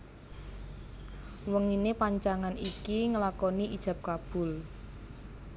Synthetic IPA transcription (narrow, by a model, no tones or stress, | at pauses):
wəŋinepaɲt͡ʃaŋanikiŋəlakɔniʔid̥ʒ̥ä̤p̚kab̥ʊ̤l